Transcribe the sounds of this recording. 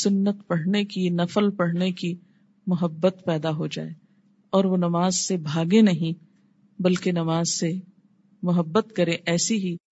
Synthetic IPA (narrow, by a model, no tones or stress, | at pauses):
sʊnːət̪pɐɽ̤nekinɐfəlpɐɽ̤neki | mʊɦəbːət̪pɛːd̪aɦod͡ʒa̰ːe | ɔːɾʋonɐmaːzsebʱaːɡenɐɦĩ | bɐlkenɐmaːzse | mʊɦəbːət̪kɐɾẽʔɛːsiɦi